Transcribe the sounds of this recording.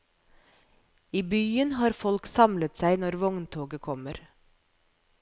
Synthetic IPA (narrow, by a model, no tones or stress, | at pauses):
iːbyːənhɑːɾfɔlksɑmlət̪sæɪnɔɾʋɔŋnt̪ʰoːɡəkʰɔməɾ